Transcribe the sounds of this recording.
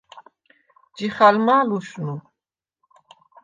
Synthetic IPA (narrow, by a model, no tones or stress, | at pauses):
d͡ʒiχalmaluʃnu